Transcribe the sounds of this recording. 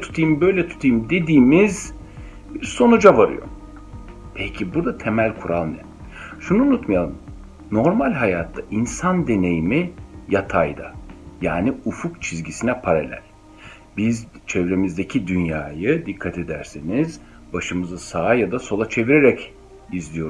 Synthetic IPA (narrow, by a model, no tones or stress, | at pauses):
t̪ʰu̥t̪ʰɯjɯmbø̞jlʲɛt̪ʰu̥t̪ʰɯjɯmd̪e̞d̪iːmiz | biɾso̞nud͡ʒavaɾɯ̰jo̰ | pʰecʰibuɾd̪at̪ʰe̞mælʲkʰuɾalˠnɛ | ʃunuːnut̪majalˠɯm | no̞ɾmalʲɦajaːt̪ʰːaʔinsand̪e̞ne̞jimijat̪ʰajd̪a̰jaːniufukt͡ʃʰizɟisinɛpʰaɾalʲæ̰l̥ʲ | bizt͡ʃʰevɾe̞mizd̪ecʰid̪ynjaːjɯd̪ikʰːat̪ʰe̞d̪æ̰ɾseniz | baʃɯmɯzɯsaːjad̪aso̞lˠat͡ʃʰe̞viɾeɾɛc | izlʲijo̞ɾ